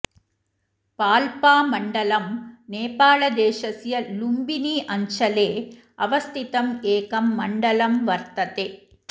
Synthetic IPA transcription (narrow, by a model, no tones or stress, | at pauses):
paːlpaːmɐɳɖɐlɐmneːpaːɭɐd̪eːʃɐsjɐlumbiniːʔɐɲt͡ʃɐleː | ɐʋɐst̪it̪ɐmeːkɐmːɐɳɖɐlɐmʋɐɾt̪ɐt̪eː